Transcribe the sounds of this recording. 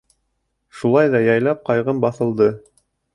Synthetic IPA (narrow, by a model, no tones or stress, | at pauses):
ʃulˠɑjðɑjɑjlˠɑp̚qɑjʁɤmbɑθɤ̆lˠd̪ɤ